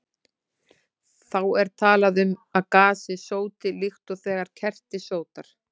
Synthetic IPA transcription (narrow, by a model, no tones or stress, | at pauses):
θawɛɾ̥t̪ʰaːlaðʏmaðkaːsɪsoːwt̪ɪlixt̪ɔɣθɛːɣaɾ̥cʰɛr̥t̪ɪsoːwt̪aɾ̥